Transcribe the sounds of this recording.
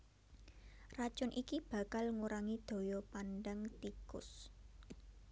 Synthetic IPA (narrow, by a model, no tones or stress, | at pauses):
rḁt͡ʃʊnʔikib̥ä̤kalŋuɾaŋid̪̥o̤jɔpanɖəŋt̪ikʊ̰s